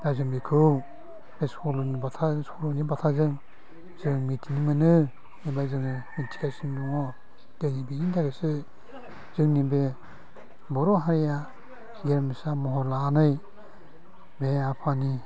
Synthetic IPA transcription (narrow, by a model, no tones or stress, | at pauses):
ɾazɯmbikʰɯw | besɔlɔnibatʰasɔlɔnibatʰazɯŋ | zɯŋmitʰinimɯnɯ | nibazɯŋɯmitʰi̥kasindɔŋɔ | d̥ɯnibinindʰaɡesɯ | z̥ɯŋnibe | bɔɾɔɦaɾija | ɡeɾmisamɔɦɔɾlaːnɯj | beapʰani